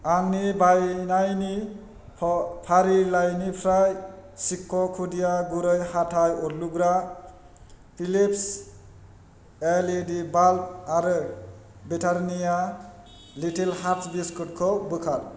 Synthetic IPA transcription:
aŋnibajnajni | pʰaɾilajnipʰɾajsikːokʰudijaɡuɾʌjhaʈʰajoɾluɡɾa | pʰilips | eledibalp̚aɾɯ | biʈʰaɾnija | liʈʰelhaɾtʰbiskɯʈkʰobɯkʰaɾ

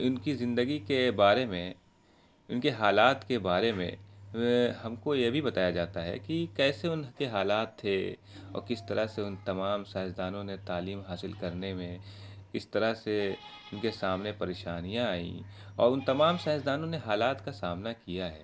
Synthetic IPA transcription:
ʊnkizɪ̃nd̪əɡikebaːɾemẽ | ʊnkeɦaːlaːt̪kebaːɾemḛ̃ | hɐmkojebʱibɐt̪aːjad͡ʒaːt̪aɦɛ̰kikɛːseʊnkeɦaːlaːt̪ʰːe | ɔ̰ːɾkɪst̪ɐɾaɦseʊnt̪ɐmaːmsaːsd̪aːnõnet̪aːliːmɦaːsɪlkɐɾnemẽkɪst̪ɐɾaɦse | ʊnkesaːmnepɐɾeːʃaːnijãaːḭ̃ | ɔ̰ːɾʊnt̪ɐmaːmsaːɦɪsd̪aːnõneɦaːlaːt̪kasaːmnakijaɦɛ̰ː

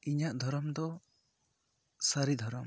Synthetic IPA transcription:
iɲaʔd̪ʱɔɾɔmd̪ɔ | saɾid̪ʱɔɾɔm

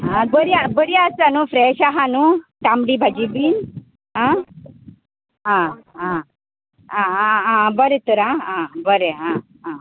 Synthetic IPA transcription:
ɦãbəɾiabəɾiasanufɾɛɕaɦanut̪amɽibʱad͡ʑibiːn | ɦã | ɦãã | aaãbəɾet̪uɾããbəɾeɦã | ɦã

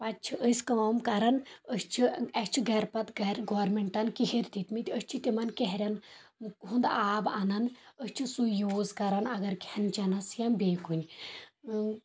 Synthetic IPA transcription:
pɐt͡ʃʰiʔəsʲkɐɐmkɐɾɐnəst͡ʃʰiɐt͡ʃʰiɡɐɾpɐt̪ɡɐɾɡoɾmeɳʈɐnkihiɾʲt̪it̪mit̪ʲəsʲt͡ʃʰit̪ʲimɐnkeɦɾʲɐn | ɦund̪aːbanɐnəsʲt͡ʃʰisujoːzkɐɾɐnɐɡɐɾkʲɐnt͡ʃɐnɐsjɐnbʲeːkunʲ

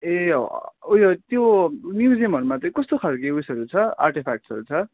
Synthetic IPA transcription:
e | ujʌt̪jomjud͡ziʌmʌɾumat͡sʌ̃ĩkʌst̪okʰalkeusʌɾut͡sʰʌa̰rʈepʰak̚ʈsʌɾut͡sʰʌ

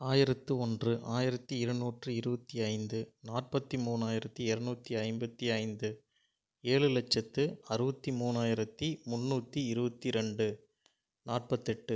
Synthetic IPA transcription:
aːjɪɾɐt̪ːɯɔndrɯʔaːjɪɾɐt̪ːiɪɾɐnuːʈrɯɪɾɯbɐt̪ːiɐɪnd̪ɯnaːʈ̚pɐt̪ːimuːnaːjɪɾɐt̪ːiɛɾɐnuːt̪ːiɐɪmbɐt̪ːiɐɪnd̪ɯ | eːɭɯlɐt͡ʃːɐt̪ːɯɐɾɯbɐt̪ːimuːnaːjɪɾɐt̪ːimʊnːuːt̪ːiɪɾɯbɐt̪ːiɾɛɳɖɯ | naːʈ̚pɐt̪ːɛʈːɯ

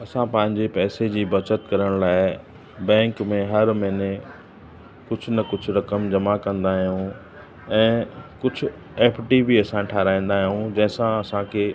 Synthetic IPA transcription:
ɐsãpɐ̃ɦɪ̃ɲd͡ʑepɛːsed͡ʑiːbɐt͡ɕət̪kɐɾəɽ̃laːɪ | bɛ̃ːŋkmẽɦɐɾmɐɦɪne | kʊd͡ʑʱʊnɐkʊd͡ʑʱʊ̆ɾɐkəmd͡ʑɐmakɐ̃nd̪aːɦijũ | ɛ̃ːkʊd͡ʑʱʊ̆ | eːpʰʈibiɐsãʈʰaːɾaːĩːn̆d̪aːɦijɦũd͡ʑɐ̃ɦɪ̃sãɐsãkʰeː

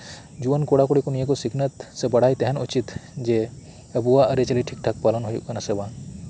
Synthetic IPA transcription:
d͡ʒuənkoɽakoɽikonijekosikʰnət̪sebɐɽ̤ajt̪eɦɛnṵt͡ʃit̪d͡ʒe | əbuaəɾet͡ʃɐliʈʰik̚ʈʰak̚palənɦujukɐnasebãn

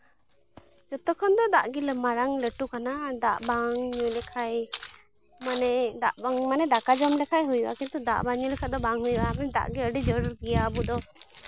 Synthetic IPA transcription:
d͡ʒɔt̪ɔkʰɔnd̪ɔd̪aʔɡilɛmaɾaŋləʈukanad̪aʔbaŋɲulɛkʰaj | manɛd̪aʔbaŋmanɛd̪akad͡ʒɔmlɛkʰajɦujuʔa̰kɛnt̪ud̪a̰ʔbaɲulɛkʰad̪ɔbaŋhujuʔamɛd̪a̰ʔɡɛəɖid͡ʒɔɾɾɡɛjaəbud̪ɔ

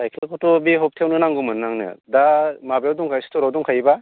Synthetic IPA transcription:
ajkʰlakʰɔtobiɦɔp̚tʰewnɯnaŋɡumɯnːaŋnɯ̰damabjawduŋkʰajsi̥tʰɔɾawduŋkʰajba

